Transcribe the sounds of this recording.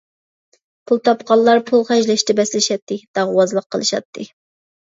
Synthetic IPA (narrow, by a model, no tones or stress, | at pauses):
pʰulˠt̪ʰɑpqɑlˠːɑɾpʰulˠχɛʒlɛʃt̪ɛbɛslɪʃɛt̪ʰːɨd̪̥ɑʁwɑzlˠəqʰːəlˠɨʃɑ̰t̪ʰːɨ